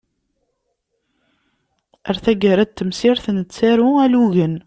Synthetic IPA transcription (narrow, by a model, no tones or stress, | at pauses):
æɾθæɡæɾæt̪ːəmsiɾθənət͡sːæɾuæluʝən